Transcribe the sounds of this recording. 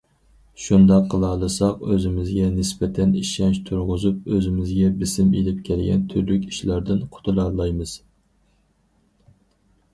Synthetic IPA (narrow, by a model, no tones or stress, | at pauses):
ʃund̪ɑqʰːəlˠɑːlˠɨsɑqøzɪmɪzɡʲɛnɪsbɛt̪ʰɛniʃɛnʃt̪ʰuɾʁʊzup̚øzɪmɪzɡʲɛbɪsɪmelɪp̚kʲʰɛlɡʲɛ̰nt̪ʰyɾlykʲi̥ʃlæɾd̪ɪnqʰʊ̥t̪ʰulˠɑlˠɑjmɨz̥